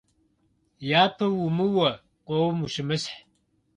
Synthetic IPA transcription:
jaːpʰɐwumɨwɐ | qʷʼowmuʃɪmɨsħ

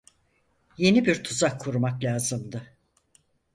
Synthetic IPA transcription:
je̞nibiɾt̪ʰuzakʰːuɾumaklʲaːzɯmd̪ɯ

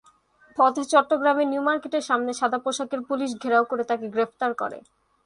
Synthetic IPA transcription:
pɔd̪ʱet͡ɕɔʈːoɡɾameniumaɾkeʈeɾʃamneʃad̪ʱapɾoʃakeɾpuliʃ̬ɡʱeɾaokoɾet̪akeɡɾeft̪aɾkɔ̰ɾḛ

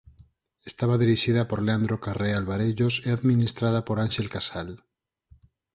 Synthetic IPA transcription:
est̪aβaðiɾiʃiðapoɾleand̪ɾokarealβaɾeʎoseaðmĩnist̪ɾað̞apoɾanʃelkasal

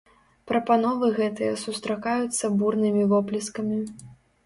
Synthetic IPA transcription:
pɾɐpanɔvɨɣɛt̪ɨjɐsust̪ɾakajut̪sːɐburnɨmʲivɔplʲiskɐmʲi

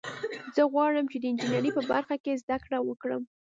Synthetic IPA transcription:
zəɣwɑɽəmt͡ʃed̪əɪnd͡ʒinaɾipəba̰ɾxakezd̪akɽawəkɽəm

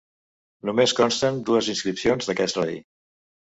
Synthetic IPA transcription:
numeskɔnst̪ənd̪uəzinskɾipsionzðəkɛsləḭ

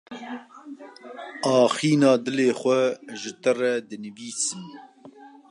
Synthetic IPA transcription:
ɑːxiːnɑːd̪ɨleːxʷɛʒɪt̪ɨrɛd̪ɨnɨviːsɨm

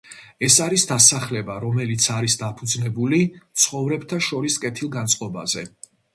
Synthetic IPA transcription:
ɛsaɾisd̪asaχlɛbaɾɔmɛlit̪sʰaɾisd̪apʰud̪znɛbulit̪sʰχɔvɾɛbt̪ʰaʃɔɾiskʼɛt̪ʰilˠɡant̪sʼqʼɔba̰zɛ

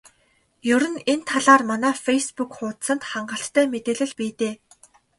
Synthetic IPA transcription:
jɵɾɵ̆nent̪ʰaɮaːrmanæːfejspukχʊːt̪sə̆nt̪χaɴɢə̆ɬt̪ːʰæːmet̪eːɮɘ̆ɮpiːt̪eː

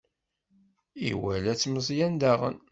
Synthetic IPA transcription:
ḭwælæt͡sːməzˤjænd̪æʁə̰n

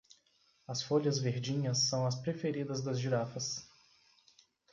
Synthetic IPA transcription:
ɐsfoʎɐzveɾd͡ʒĩɲɐsːɐ̃w̃ɐspɾefeɾid̪ɐzd̪ɐzʒiɾafɐs

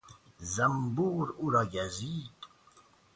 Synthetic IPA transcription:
zæmbuɾuɾɑɡæziːd̪

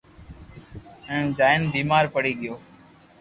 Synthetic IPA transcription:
ɛ̃ːnd͡ʒaːɪnbiːmaːɾpəɽiːɠɪjoː

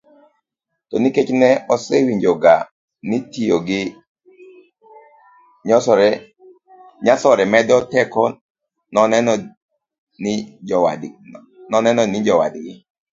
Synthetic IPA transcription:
tɔniket͡ʃnɛɔsewiɲd͡ʒoɡa | nitioɡɪ | ɲɔsɔɾɛ | ɲasɔɾɛmɛdɔtɛkɔ | nɔnɛnɔ | nɪwa | nɔnɛnɔnɪd͡ʒɔwa̰dɡɪ

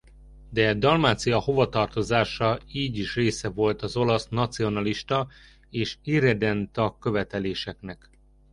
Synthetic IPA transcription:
d̪ɛd̪ɒlmaːt̪sijɒho̞vɒt̪ɒrt̪o̞zaːʃɒiːɟiʃreːsɛvo̞lt̪ɒzo̞lɒsnɒt̪sio̞nɒliʃt̪ɒ | eːʃiɾɛd̪ɛnt̪ɒkːø̞vɛt̪ɛleːʃɛknɛk

